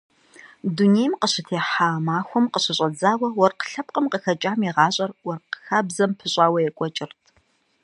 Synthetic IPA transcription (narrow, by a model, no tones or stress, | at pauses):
dunejmqəɕɪtʰeːħaːmaːxʷʊmqəɕɪɕʼɐd͡zaːwɐwɔrqə̥ɬɐp̚ʼqʼəmqəxɐt͡ʃʼaːmiʁɑːɕʼɐrwɔrqəxaːbzɐmpʰɨɕʼaːwɐjɛkʷʼɔt͡ʃʼɪrtʰ